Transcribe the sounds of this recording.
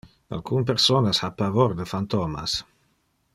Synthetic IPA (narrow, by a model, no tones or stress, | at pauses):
a̰lkunp̬eɾsoːnashapavoɾd̪əfant̪oːma̰s